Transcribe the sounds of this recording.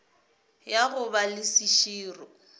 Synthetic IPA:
jaɣʊbalɪsiʃiːrɔ

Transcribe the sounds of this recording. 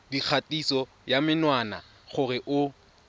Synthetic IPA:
dik͡xʰatʼisɔ | jamɪnwana̰ | χʊrɪʔʊ

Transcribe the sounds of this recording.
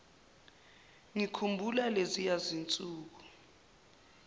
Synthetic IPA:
ŋikʰumbʱulalezijazint͡sʼuːk̬u̥

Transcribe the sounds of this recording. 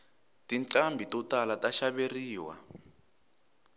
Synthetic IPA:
tinǀambʱitɔtalataʃaβeriːwa̰

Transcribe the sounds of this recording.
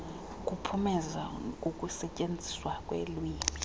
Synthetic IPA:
k̬ʼupʰumɛzaukʼusɛcʼend͡zʱiswakʼwḛlwiːmʱi

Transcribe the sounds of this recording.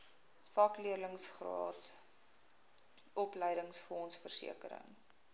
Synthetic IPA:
fɐkliərləŋsχrɑ̰ːt | ɔpləjɾəŋsfɔnsfərsḭəkəɾə̰ŋ

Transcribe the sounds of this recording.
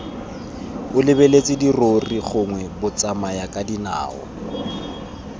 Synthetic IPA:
ʊlɪbelet͡sʼɪdiroriχʊŋwɛbʊt͡sʼamajakʼadina̰ːɔ̰

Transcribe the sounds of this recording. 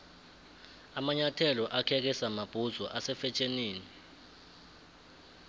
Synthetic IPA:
amaɲatʰɛlɔʔakʰɛk̬ɛsamab̥ʱuzɔʔasɛfɛt͡ʃʰʼeniːni

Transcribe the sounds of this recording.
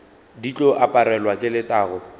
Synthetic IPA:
dit͡ɬʼɔʔapʼaɾɛlwakʼɪlɪtʼaːɣʊ

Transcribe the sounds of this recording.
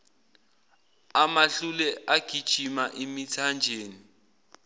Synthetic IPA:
amaɬulɛʔaɡ̥ʱid̥ʒ̥ʱimaʔimitʰand͡ʒʱeːni

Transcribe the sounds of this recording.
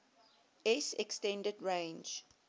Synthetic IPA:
ɛsɛkstɛ̃ndədɹẽɪ̃nd͡ʒ

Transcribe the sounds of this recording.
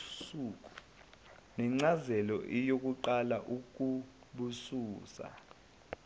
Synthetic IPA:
suk̬ʼu | nɛŋ͡ǀazɛlɔ̰ʔijok̬ʼuǃalaʔuk̬ʼu | ɓusuːsa̰

